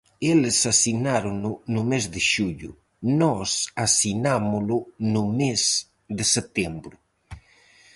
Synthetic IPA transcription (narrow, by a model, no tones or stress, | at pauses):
elesasinaɾʊʊnʊmezd̪eʃuʎʊ | nɔsasinamʊlʊnʊmɛz | d̪eset̪ɛmbɾʊ